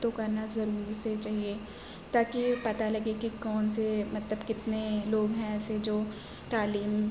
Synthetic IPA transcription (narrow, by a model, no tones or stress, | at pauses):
t̪okɐɾnazɐɾuːɾiset͡ʃaːɦie | t̪aːkipɐt̪alɐɡekikɔːnsemɐt̪ləbkɪt̪neloːɡɦɛ̃ɛːsed͡ʒoː | t̪aːliːm